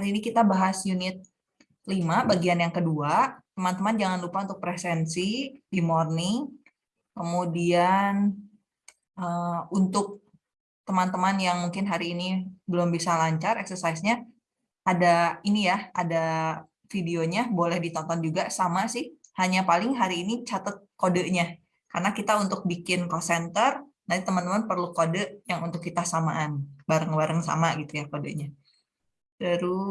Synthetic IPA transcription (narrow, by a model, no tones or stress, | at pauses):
haɾiːnikit̪abaɦasjunɪt̪̚ | limabaɡianjaŋkəduat̪əmant̪əmand͡ʒaŋanlupaunt̪ʊk̚pɾɛsɛnsidimornɪŋ | kəmudian | ʔəunt̪ʊk̚ | t̪əmant̪əmanjaŋmuŋkɪnɦaɾiːnibəlʊmbisalaɲt͡ʃarɛksərsaisɲa | ʔadainijaada | fideoɲabolɛhdit̪ɔnt̪ɔnd͡ʒuɡasamasɪhhaɲapalɪŋɦaɾiːnit͡ʃat̪ət̪̚kodəʔɲa | karnakit̪aunt̪ʊk̚bikɪnkosɛnt̪ər | nat̪it̪əmant̪əmanpərlukodəʔjaŋunt̪ʊkːit̪asamaʔːnbaɾəŋbaɾəŋsa̰maɡit̪ujakodəʔɲa | dəɾu